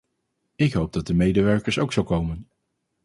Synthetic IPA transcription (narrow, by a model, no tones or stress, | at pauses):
ɪkɦowb̚dɑt̚dəmejdəʋɛɹkəɹsowksolkowmən